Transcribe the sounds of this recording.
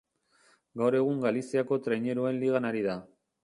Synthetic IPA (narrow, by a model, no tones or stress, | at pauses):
ɡawɾe̞ɣuŋɡalisiako̞t̪ɾeɲe̞ɾue̞nliɣ̞anaɾiða